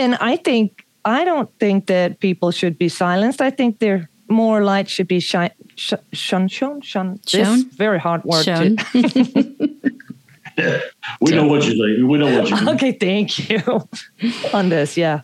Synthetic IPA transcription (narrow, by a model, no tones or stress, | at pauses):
ɨ̃na̰ɪθɪ̃ŋk̚ | aɪɾõʊ̃nθɪ̃ŋk̚ðɨt̚pipl̩ˠʃɨd̚bisaɪlˠə̃nstaɪθɪ̃ŋk̚ðə˞ | mɔɹlaɪtʃɨd̚biʃaɪʃʃʌ̃nʃõʊ̃nʃʌ̃nðɪsvɛɹihɑɹd̚wɜ˞ɨ | jwinoʊwʌt͡ʃɨeɪwinoʊwʌt͡ʃoʊkeɪθæ̃ŋkʰjʉ | ə̃nðɪsjæ